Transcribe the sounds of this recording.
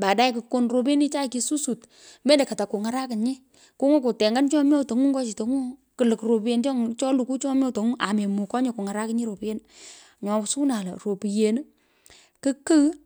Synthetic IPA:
ba˨da˦i˦kɨ˨ko˦nro˧pe˦ni˦t͡ʃa˦˨ki˨˦su˦su˨t | me˦nde˨ka˨ta˨ku˨ŋa˨ɾa˦kɪ˨ɲɪ˦ | ku˦ŋɔ˦ko˨tɛ˨ŋɡa˦nt͡ʃɔ˦mjɔ˦to˨ŋu˦ŋɡɔ˦t͡ʃi˨to˨ŋu˦kɨ˨lɨ˨kro˨pe˨nt͡ʃɔ˦ŋt͡ʃɔ˦lu˨ku˦t͡ʃɔ˦mjɔ˦to˨ŋu˦ʔa˨me˨mu˨kɔ˦ɲɪ˨ku˨ŋa˨ɾa˦kɪ˦ɲi˦ɾo˨pe˦n | ɲɔ˨su˦na˨lɐ˨ro˨pi˨je˨n˦ | kɨ˦kə˦

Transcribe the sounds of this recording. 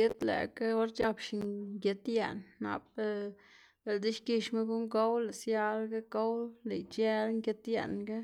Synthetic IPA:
e˦t̪lḛ˨ka˦o˦ɾt͡ʃa˧kʃi˨ɡje˧t̪je˨nːa̰˨pe˦ | be˨ld̪i˦ʃki˧ʃme˦ɡu˦ŋɡo˦wle˨sja˧lɡe˦ɡo˦wle˨jt͡ʃe˦lŋke˧t̪jḛ˨nɡe˦

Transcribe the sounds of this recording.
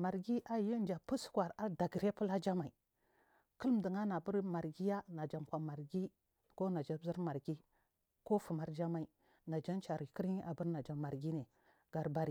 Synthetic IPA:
ma˨ɾɡi˦ʔa˨ji˦d͡ʒa˨pu˦skwa˨ɾa˦da˨ɡɾe˦pu˦la˦d͡ʒa˦ma˨i˨ | kə˦lm˨di˨ŋa˦na˨bu˦ɾma˨ɾɡi˦ja˦na˨d͡ʒa˨mkʷa˨ma˨ɾɡi˦ | ko˦na˨d͡ʒa˦zi˦ɾma˨ɾɡi˦ | ko˦fu˨ma˨ɾd͡ʒa˦ma˨i˨ | na˨d͡ʒa˦nt͡ʃa˨ɾi˨ki˦ɾɲi˦ʔa˨bu˦ɾna˨d͡ʒa˨ma˨ɾɡi˦ne˨ | ɡ̥a˨ɾba˦ɾi˨

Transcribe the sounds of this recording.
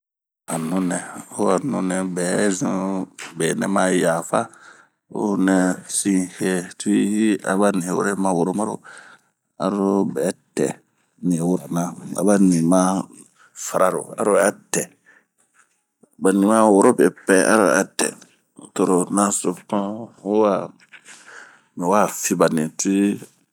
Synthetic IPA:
a˨nũ˦nɛ˨o˦a˨nũ˦nɛ˨bɛ˨˦zĩ˦bɛ˨nɛ̰̃˦ma˦ja˨fa˦ | o̰˦nɛ˨sĩ˦he˦tu˦i˦i˦a̰˦ba˦nĩ˨wo̰˦ɾe˦mã˨wo˨ɾo˦ma˦ɾo̰˨ | a̰˨˦ɾɾo˦bɛː˨˦tɛ̰˨ | nĩ˨wu˦ɾa˨nã˦a̰˨ba˦nĩ˨mã˦ | fa˨ɾa˨ɾo̰˨a̰˦ɾo˦˨˦a˦tɛ˨ | ba˨nĩ˨mã˦wo˨ɾo˦bɛ˨pɛ˦ʔa̰˦ɾo̰˦˨˦a˦tɛ̰˨ | to˨ɾo˨nã˦so˨pã˦o˦wa˨ | mɛ˨wa˦fi˦ba˨nĩ˨tu˦i˦

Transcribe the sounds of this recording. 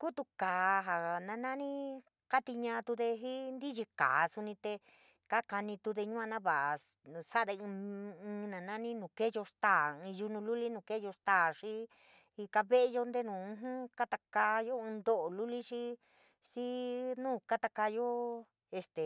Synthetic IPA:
ku˦t̪u˧kaː˨ɦa˨nã˧nã˦nĩ˦ | ka˦t̪i˧ɲã˧t̪u˧ðe˧ɦi˦nd̪i˦ʒi˧ka̰ː˨˧su˧nĩ˧t̪e˧ | ka˦ka˧nĩ˧t̪u˧ðe˧ɲũ˦ã˧nã˦βa˨sa˦ʔðẽ˧ɨ̃ː˧nã˨nã˦nĩ˦nũ˨ke˦jo˧ʂt̪aː˦˨ɨ̃˧ʒu˧nũ˧lu˦li˦nũ˨ke˦jo˧st̪aː˦˨ʂi˦ | i˧ka˧βe˦ʔe˧jo˧nd̪e˦nũ˨ũ˧˦ɦũ˦ka˦t̪a˧ka˧jo˦ɨ̃˧nd̪o˦ʔo˨lu˦li˦ʂi˦ | si˦nũː˦˨ka˦t̪a˧ka˧jo˦ | e˧st̪e˨

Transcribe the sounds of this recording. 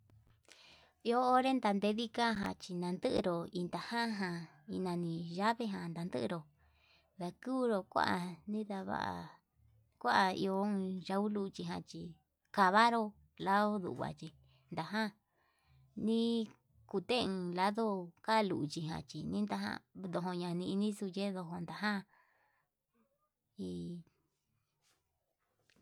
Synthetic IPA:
i˧oː˦ɾe˦nd̪a˧nd̪e˧ði˦ka˦ɦã̰˧t͡ʃi˧nã˧nd̪ɨ˦ʔɾo˨i˧nd̪a˨hã˦ɦã˧ | i˧nã˧nĩ˧ʒa˦βe˧ɦã˨nd̪a˨nd̪ɨ̰˦˧ɾo˧˨ | ða˧kuː˦˧ɾo˧kʷa̰˦ʔa˧nĩ˦ða˧βa̰˧ʔa̰˧˨ | kʷa˦ʔa˧˨ḭ˧õ˧ʒa˧u˦lu˧t͡ʃi˧ɦã˧t͡ʃi˧˨ | ka˧βa˦ɾo˦ | la˦ðo˦ðṵ˨˧βa̰˨t͡ʃi˧ | nd̪a˨ɦã˦ | nĩ˦ | ku˧t̪e˦˧ɨ̃˧la˦ðo˦ka˦˧lṵ˨ʔt͡ʃi˧ɦã̰˧t͡ʃi˨nĩ˦nd̪a˧ɦã̰˦˧d̪o˧ɦo˧ɲã˧nĩ˧i˧nĩ˦su˧je˦ðo˧ɦo˧nd̪a˧ɦã˦ | i˧

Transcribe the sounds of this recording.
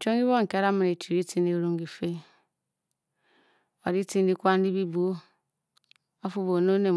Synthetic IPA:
t͡ʃo˦ŋi˦βo˦ŋ˨ke˨˦ɾa˦mi˨ne˨t͡ʃi˨ɾi˦ti˦ni˦ɾo˦˨ŋɡi˨fe˦ | o˨ɾi˦ti˦ndi˦kʷa˦n˦di˦bi˦bu˦ | o˦fu˦βo˨no˦ne˨

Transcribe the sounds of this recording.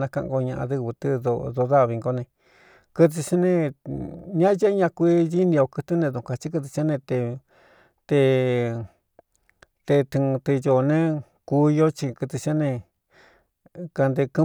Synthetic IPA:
ã˧kã̰˧ʔɡo˧ɲã˧ʔã̰˧ðɨ˧βɨ˧t̪ɨ˦ðo˧ðo˧ða˦˧βi˧ŋɡo˧nẽ˧ | kɨ˧t̪̬i˧t͡ʃa˦nẽ˧ | ɲã˦je˦ɲã˧kʷi˦ði˦nĩ˧o˧kɨ˧t̪ɨ˦nẽ˧ðũ˨˧ka˧t͡ʃi˦k̬ɨ˧t̪̬ɨ˧t͡ʃa˦nẽ˧t̪e˧ | t̪e˧ | t̪e˧t̪i˧t̪ɨ˧jo˨˧nẽ˦ | ku˧jo˦t͡ʃi˧kɨ˧t̪ɨ˧t͡ʃa˦nẽ˧ | ka˧nd̪e˧kɨ˦

